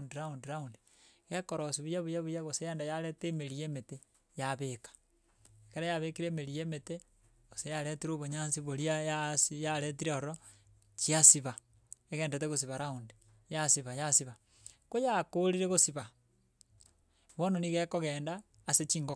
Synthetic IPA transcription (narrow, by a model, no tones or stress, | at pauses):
ndiɾaundiɾaundi | ɣekoɾosiβujaβujaβujaɣosejeːndajaɾeteːmeɾieːmete | jaβekḁ | ekeɾajaβekiɾeːmeɾijeːmete | ɣosejaɾetiɾoβoɲaːnsiβoɾiajasijaɾet̬iɾeoɾo | t͡ʃiasiβa | eɣeːndet̬eɣos̬iβaɾaundi | jasiβajasiβa | kojakoɾiɾeɣosiβa | βononiɣekoɣeːndaː | set͡ʃiːŋɡo